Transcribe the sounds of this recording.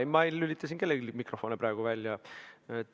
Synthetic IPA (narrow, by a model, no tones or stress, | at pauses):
mɑejylit̪ːˑɑs̬ʲinke̞lːeɡilʲmikro̞fo̞nepɾɑeɡ̥uvælʲːjɑet̪ː